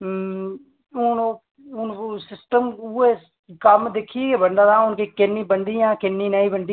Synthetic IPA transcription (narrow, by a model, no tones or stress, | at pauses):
ʊn | ʊnsɪsʈəmue | kɐmd̪eːkʰiekebə̃ɳɖ̪at̪ãʊnkikɪnːibəɳɖ̪iãːkɪnːinɐĩbəɳɖ̪i